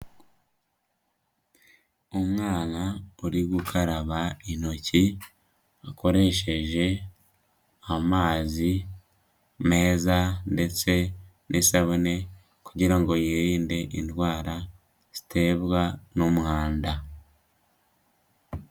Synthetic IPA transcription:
omŋaːnaoɾiɡukʰaɾaβaino̞ci | ako̞ɾe̞ʃe̞ʒe̞ | amaːzi | me̞ːzande̞t͡se̞ | nʔesaβune̞ | kuɟiɾaŋɡo̞jeɾiːnde̞ʔintwaːɾa | z̥i̥tʰe̞ːβwanomuhaːnda

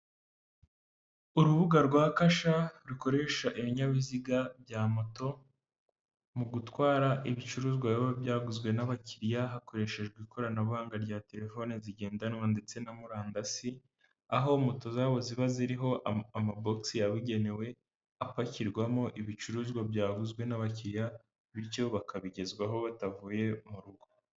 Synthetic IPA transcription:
uɾuβuɡaɾɡwaːkaʃaɾuko̞ɾe̞ʃaʔiβiɲaβiziɡabjaːmo̞to̞ | muɡutwaːɾaʔiβit͡ʃuɾuːzɡwajaβobjaːɡuzɡwe̞naβaciɾjaɦako̞ɾe̞ʃe̞ʒɡwikʰo̞ɾanaβuhaːŋɡaɾɟaːte̞ɾe̞fo̞neziɟe̞ːndanwande̞t͡se̞namuɾaːndasi | aɦo̞mo̞to̞zaːβo̞ziβaziɾiɦo̞ʔamaboksiaβiɟe̞ne̞we̞ | apaciɾɡwamo̞ʔiβit͡ʃuɾuːzɡwabjaːɡuzɡwe̞naβaciɾja | βiɾjo̞βakʰaβiɟe̞zɡwaɦo̞βatavuːje̞muɾuɡo̥

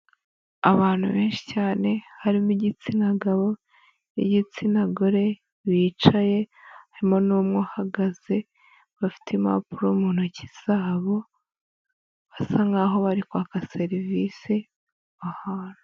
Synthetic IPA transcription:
a̰βaːn̥hṵβe̞ːnʃi̥caːne̞haɾimiɟit͡sinaɡaβo | ḭɟit͡sinaɡoɾe̞ | βiːt͡ʃaje̞haɾimo̞nuːmŋohaɡaz̥e̞ | βafi̥tʰema̰puɾoumuːn̥huciz̥aːβo̞ | βasaŋɡaɦo̞βaɾikwakaseɾivise | βahaɾo

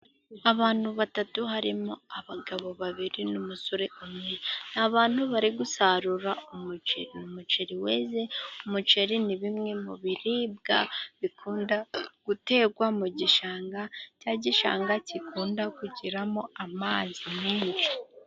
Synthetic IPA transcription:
aβaːn̥huβatatuɦaɾimo̞aβaɡaβo̞βaβiɾinumusoɾe̞ʔumŋe̞n̥aβaːn̥huβaɾiɡusaɾuɾaumut͡ʃeɾinumut͡ʃeɾiwe̞ːze̞umut͡ʃeɾiniβimŋe̞muβiɾiːb̚ɡaβikʰuːndaɡ̥ute̞ːɡwamuɟiʃaːŋɡacaɟiʃa̰ːŋɡacikuːndakuɟiɾamo̞amaːzimiːnʃi̥

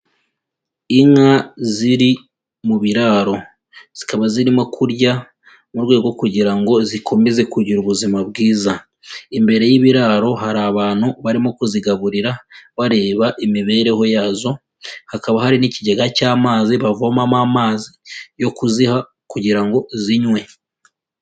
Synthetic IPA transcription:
iŋaziɾi | muβiɾaːɾo̞ | z̥ikaβaziɾimo̞kʰuɾɟa | muɾɡwe̞ːɡo̞kuɟiɾaŋɡo̞zikʰo̞me̞ze̞kuɟiɾuβuzimab̚ɡiːza | imbe̞ɾe̞jiβiɾaɾo̞ɦaɾaβaːn̥uβaɾimo̞kuziɡaβuɾiɾaβaɾe̞ːβaʔimiβe̞ːɾe̞ho̞jaːzo̞ | hakaβahaɾiniciɟeɡacaːmaːziβavomamamaːzijo̞kuziha | kuɟiɾaŋɡo̞ziɲwe̞

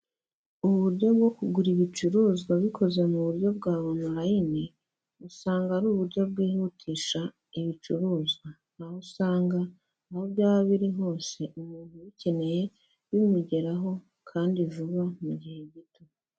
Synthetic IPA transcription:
uβuɾɟo̞bɡo̞kuɡuɾiβit͡ʃuɾuːzɡaβikʰo̞ze̞muβuɾjo̞bɡaːβomuɾajine | usaːŋɡaɾuːβuɾɟo̞b̚ɡiːhuːtʰiːʃa | iβit͡ʃuɾuːzɡwa | n̥ahusaːŋɡa | ahobjaːβaβiɾiɦo̞ːnse̞ʔumuːn̥uβice̞ne̞je̞ | βimuɟe̞ɾaɦo̞ | kʰaːndiʒuβamuɟihe̞ɟito

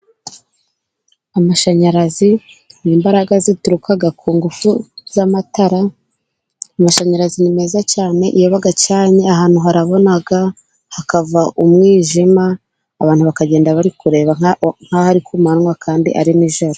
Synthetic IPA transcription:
amaʃaɲaɾaziniːmbaɾaɡazituɾukaɡakʰuːŋɡufuz̥amataɾa | amaʃaɲaɾazinime̞ːzacaːne̞ʔijoβaɡacaːɲe̞aɦaːn̥huɦaɾaβo̞naɡa | hakavaʔumŋiːʒimaː | βaːn̥huβakaɟe̞ːndaβaɾikuɾe̞ːβaŋ̥hahaɾikʰumanŋwakʰaːndḭʔa̰ɾiniʒoɾo

